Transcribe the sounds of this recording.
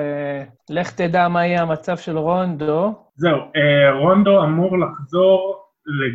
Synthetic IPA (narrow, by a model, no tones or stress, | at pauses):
e | leχt̪ed̪amaijeamat͡savʃe̞lʁo̞nd̪o | zeueʁond̪oamuʁlaχzo̞ʁ | le